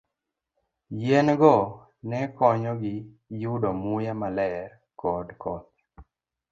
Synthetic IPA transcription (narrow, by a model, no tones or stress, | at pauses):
jenɡɔ | nɛkɔɲɔɡɪ | judɔmujamalɛr | kɔdkɔt̪̚